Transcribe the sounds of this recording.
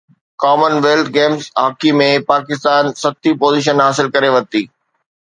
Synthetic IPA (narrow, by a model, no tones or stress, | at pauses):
kaːmənʋeːlt̪ʰɡeːmzɦaːkimẽpaːkɪst̪aːnsɐt̪ipoːziːʃ̬ənɦaːsɪlkɐɾeʋɐt̪iː